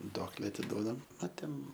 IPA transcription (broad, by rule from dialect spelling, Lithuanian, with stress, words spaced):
ˈduɔklʲɛ ɐtʲɪˈduɔdɐm ɐ ˈtʲɛn